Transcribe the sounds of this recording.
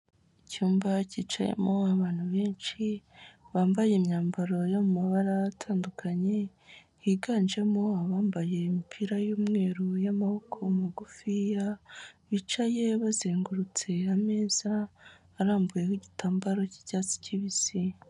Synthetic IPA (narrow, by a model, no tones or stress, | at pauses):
icuːmbacit͡ʃa̰jḛmoaβaːn̥huβe̞ːnt͡ʃiβaːmbajemɲaːmbaɾo̞jomumaβaɾaːtʰaːndukʰaɲe̞ | hiɡaːnd͡ʒe̞moaβaːmbaje̞imipʰiɾajuːmŋe̞ːɾujamahokʰo̞muɡufijaβit͡ʃaje̞βazeːŋɡuɾut͡se̞ame̞ːz̥aː | ɾaːmbujekiɟitaːmbaɾo̞ci̥caːt͡si̥ciβisi